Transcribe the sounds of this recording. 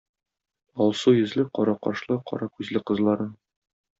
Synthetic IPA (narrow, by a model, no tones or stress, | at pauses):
ɒlˠsujɘ̆zlɘqɒɾɑqɒʃlˠɤqɒ̰ɾɑkʉzlɘqɤ̆zlˠɑɾɤn